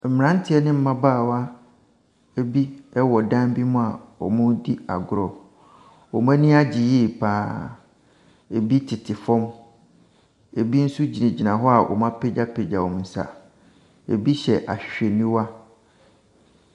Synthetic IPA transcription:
m̩˨m˨ã˦n̩˦tʰɪ˨˦ɛ˦nɪ̃˦m̩˦mã˦baː˦˨wa˦ | e˦bi˦ɛ˦wɔ˨dã˦mbi˦mʊ̃˦a˨ɔ̰˨mʊ̃˦di˦a̰˨ɡʊ˦˨ɾɔ˨ | ɔ˨m˦ã˦nĩ˦a˦d͡ʑi˨ji˦˨pʰaː˦ | e˨bi˦tʰɪ˨tʰɪ˨fɔ̃˦m | e˨bi˦n̩˦su˦d͡ʑi˨nẽ˨d͡ʑi˨nã˨ɦɔ˦a˨wʔɔ̰˨mã˦pʰe˦d͡ʑa˦pʰe˨d͡ʑa˨wɔ̃˨mn̩˨sa̰˨ | ḛ˨bi˦ɕɛ˨ʔa̰˨ɕᶣe˨nĩ˦wa˦

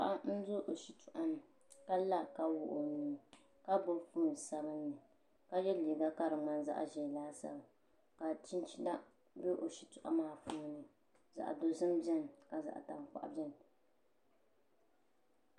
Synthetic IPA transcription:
a˦ʔa˦n̩˦zo˦ʔo˨ʃi˨tʊ˨ʔa˦m˨ | ka˦la˦ka˦wʊ˦˨ʔo˨niː˨n˨ | ka˦bo˦fuː˦˨n˨sa˦bɨ˦nːɨ˨ | ka˦jɛ˦liː˨ɡa˦ka˦ɾɨ˨ŋ͡ma˦nza̰˦ʔa̰˨ʒɛ˨laː˦sa̰˨ba˨ | ka˨t͡ʃi˦nt͡ʃi˦la˦ | bɛ˦ʔo˨ʃi˨tʊ˨ʔa̰˦maː˦˨fuː˦˨nːɨ˨ | za̰˨ʔa̰˨do˨zɨ˦m˦bɛ˦nka˨za̰˨ʔta˨ŋ˨k͡pa̰˨ʔbɛ˦n

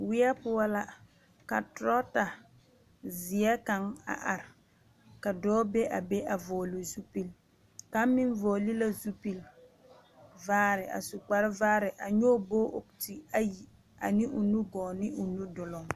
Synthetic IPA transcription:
wɪ˦ɛ˦pʊ˦a˦la˦ | ka̰˨tɾɔ˦ta˨ | zɪ˨ɛ˦ka˨ŋa̰˨ʔa˨ɾɪ˨ | ka˨dɔː˦be˦ʔa˨be˦ʔa˨vɔː˨lʊ˨zu˦pi˦l | ka˦mɪ˦ɱvɔː˨li˦la˦zu˦pi˨l | vaː˦ɾɪ˨ʔa̰˨su˨k͡pa˨ɾɪ˦vaː˦ɾɪ˨ʔa˨ɲoː˦bo˦ʔo˨k̚ti˨a˦ji˨ | a̰˨nɪ˦ʔʊ˨nu˦ɡɔː˨nɪ˦ʔʊ˨nu˦dʊ˨lɔ˨ŋ

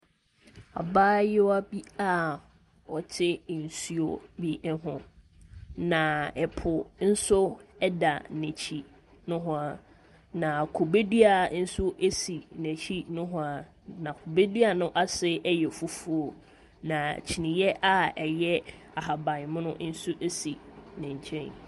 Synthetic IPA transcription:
a̰˨baː˦jɪ˦a˦bi˦a˦ | ɔ˨t͡ɕʰɪ˦˨n̩˨su˦o̰˨bi˦ɦʊ̃˦ | nã˨ɛ˨pʰʊ˨n̩˦sʊ˦ɛ˦da˨næ̃˨t͡ɕʰi˦ | nʊ̃˦ɦʊ̃˦a˨ | nã˨kʰo˨be˦di˦a˨n̩˦sʊ˦ʔe˦si˨næ̃˨t͡ɕʰi˦nʊ̃˦ɦʊ̃˦a˨ | nã˨kʰo˨be˦dɥa˨nʊ̃˦ʔa˦sɪ˦ɛ˦jɛ˨fu˦fu˦o˨ | nã˨t͡ɕʰi˨nĩ˨jɛ˦ʔa˦ɛ˨jɛ˦a˨ɦa˨bã˨mʊ̃˦nʊ̃˦n̩˦su˦ʔe˦si˨nɪ̃˨ɲ˨t͡ɕʰɛ̃˦n

